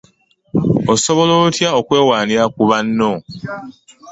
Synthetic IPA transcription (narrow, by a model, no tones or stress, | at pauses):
oso̞βo̞loːtjaokwe̞ːwaːniɾakuβanːo̞